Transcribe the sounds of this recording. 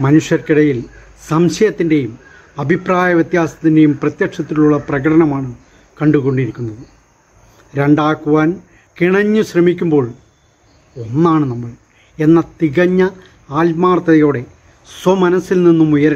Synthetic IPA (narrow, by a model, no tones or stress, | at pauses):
mɐnuʂjɐrkiɽɐjil | sɐmɕɐjɐt̪ːinde̞jum | ɐbʱipraːjɐʋjet̪jaːsɐ̥t̪ːinde̞jumprɐt̪jɐkʂɐt̪ːiluɭːɐprɐɣɐʈʰɐnɐmaːɳɨ | kɐɳɖuɣo̞ɳɖiɾikʲːunːɐðɨ | ɾe̞ɳɖaːkːuʋaːn | kiɳɐɲːuɕrɐmikʲːumbo̞ːɭ | o̞nːaːɳɨnɐmːɐɭ | e̞nːɐt̪iɣɐɲːɐ | aːlmaːrt̪ɐɐjo̞ːɽe̞ | swɐmɐnɐsilninːumujɐɾɐ